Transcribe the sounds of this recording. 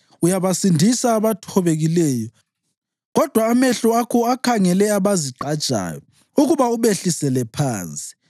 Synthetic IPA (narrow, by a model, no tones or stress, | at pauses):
ujaβasindʱisaːβatʰɔβeɣilɛːjɔ | ɣɔd̥ʱwaːmɛɬɔakʰɔakʰaŋɛlɛaβaziǃadt͡ʃʼa̰ːjɔ | uɣuβauβeɬisɛlɛpʰaːnt͡sʼi̥